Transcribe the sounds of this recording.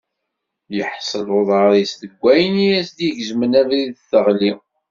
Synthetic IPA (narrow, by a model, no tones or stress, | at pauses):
jəħsˤəloðˤʁəɾisθəɡʷːæjənijæsd̪jəʝzmənævɾiðθəʁli